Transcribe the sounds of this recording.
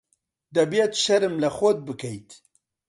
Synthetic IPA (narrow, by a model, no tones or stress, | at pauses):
d̪ɐbjet̪ʃɐɾɨmlɐxod̪̚bɨkʰɛjt̪